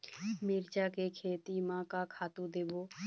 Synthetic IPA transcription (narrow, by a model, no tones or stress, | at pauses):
miɾt͡ʃaːkekʰeːt̪imãːkakʰaːt̪ũd̪eːboː